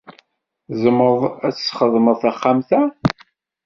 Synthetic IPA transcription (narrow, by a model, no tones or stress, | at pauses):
zəməðˤæt͡sːχəðˤməðˤθæχːamθæ